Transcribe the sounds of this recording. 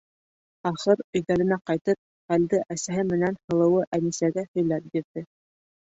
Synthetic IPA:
ɑχɤɾɵ̆jɡæɾɘ̆næqɑjt̪ɤp̚ | χæld̪ɘʔæsæɦɘmɘ̆nænhɤ̆lˠɤ̆wɤʔænisæɡæhɵ̆jlæp̚biɾðɘ

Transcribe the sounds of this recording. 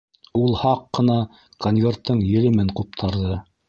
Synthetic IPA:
ulˠhɑqːɤ̆nɑ | konvʲe̞rt̪ːɤɴjɘ̆lɘmɘɴqup̚t̪ʰɑɾðɤ

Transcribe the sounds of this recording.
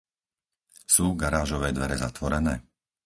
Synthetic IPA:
suːɡaɾaːʒɔʋɛːd̪ʋɛɾɛzat̪ʋɔɾɛnɛː

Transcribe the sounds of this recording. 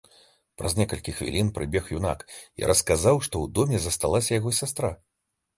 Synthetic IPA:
pɾɐ̰zʲnʲɛkɐlʲkʲixvʲḭlʲinpɾɨbʲɛxjuna̰kḭɾʔɐskazawʂt̪ɔwd̪ɔmʲɛzɐst̪alˠasʲɐjaɣɔsʲast̪ɾa

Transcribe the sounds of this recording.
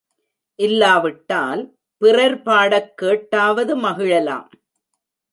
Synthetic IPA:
ʔɪlːaːʋɪʈːaːl | pɪrɐɾpaːɽɐkːeːʈːaːʋɐðɯmɐɣɪɻɐla̰ːm

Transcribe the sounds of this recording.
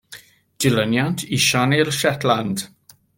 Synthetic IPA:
d̥ɪlənjantʰiʃanirʃɛtʰland̥

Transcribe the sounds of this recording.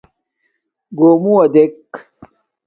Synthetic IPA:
ɡoːmuɐd̪ek

